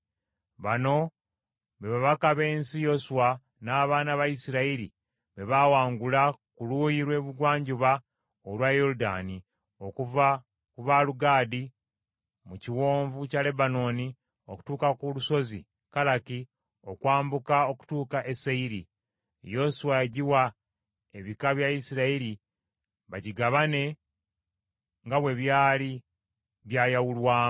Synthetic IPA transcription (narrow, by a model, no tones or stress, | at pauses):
βano̞ | βe̞βaβakaβe̞ːnsijo̞suwa | naːβaːnaβaisiɾaiɾḭ | βe̞βawaːŋɡulakuluːjiɾwe̞ːβuɡwaːɲɟuβa | olwajoɾuda̰ːni | okv | kuβaluɡaːdi | muciwoːɱvucale̞bano̞ni | oku̥tuːkakuluso̞zi | kalaki | o̞kwaːmbukao̞ku̥tuːkaʔesaiɾi | jo̞suwaeɟiwa | e̞βikaβjaisiɾaeɾi | βaɟiɡaβane̞ | ŋɡaβwe̞βjaːli | βjaːjawulwaː